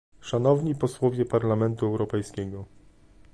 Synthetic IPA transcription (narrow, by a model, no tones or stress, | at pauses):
ʂanɔvɲipɔswɔvʲjɛpaɾlamɛnt̪uɛwɾɔpɛjskʲɛɡɔ